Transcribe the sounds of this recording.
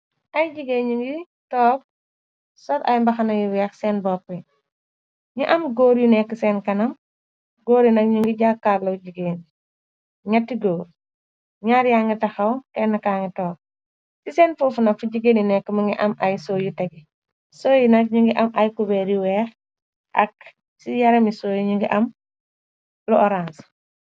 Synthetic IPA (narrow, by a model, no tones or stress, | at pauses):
ʔɐjd͡ʒiɡeɲuŋɡi | tɔːk̚ | sɔtɐ̰jmbɐxɐnɐjuwɛxsɛːnbɔpːə | ɲuʔɐmɡoːɾjunɛkːəsɛːnkɐnɐm | ɡoːɾjunɐk̚ɲuŋɡiɟaːkːaːlɐwɟiɡeːn | ŋɐtːiɡoːɾ | ɲaɾjaːŋɡitɐxɐwkɛnːɐkaːŋitɔːk̚ | sisɛːnfufunɐfuɟiɡeninɛkːəmɐŋɡiʔɐmajsoːjutɛɡi | soːjinɐk̚ɲuŋɡiʔɐmʔɐjkubeɾiwɛːɾ | ʔɐ̰k̚ | sijɐɾɐmisoːjiɲuŋɡiʔɐm | luʔɔɾans